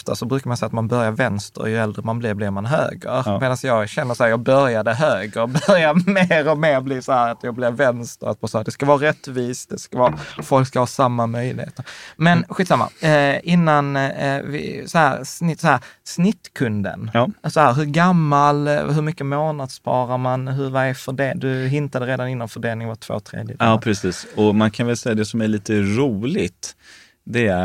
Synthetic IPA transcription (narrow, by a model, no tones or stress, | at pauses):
ft̪ʰa̰sɔbɾʉːkamansɛjat̪manbœɾjaɾvɛnst̪ə̰ɾjɵɛld̪ɾəmanblɪɾblɪɾmanɦø̰ːɡə̰ɾmmeːd̪ansjɑːɡɕɛnːəɾsɔhæːɾjɑːɡ̚bœɾjad̪əɦøːɡɾəɾbœɾjaɾmeːɾɔmeːɾblɪsɔhæːɾat̪jɑːɡ̚blɪvɛnst̪əɾa̰t̪vɑːsɔæːɾd̪ɛskavɑːɾɛt̪viːsd̪ɛskavɑːfɔlkskahɑːsamːamœjlɪ̰hḛːt̪əɾmɛnɧit̪ːsamːa̰ɪnːanvɪ̰sɔhæːɾsnɪsɔhæːɾsnɪt̪ːkʰɵnd̪ə̰nːsɔhæːɾɦɵɾɡamːalɦɵɾmʏkːəmoːnad̪spʰɑːɾaɾmanɦɵɾvaɛfœɖeːd̪ɵɦɪnt̪ad̪əɾeːd̪anɪnːanfœɖeːlnɪŋvat̪ʰv̥o̰ːt̪ʰɾḛːd̪jəd̪ɑːpʰɾɛsiːsɔmankʰanvɛlsɛjːad̪ɛsɔmæɭiːt̪əɾuːlɪt̪ | d̪ɛæ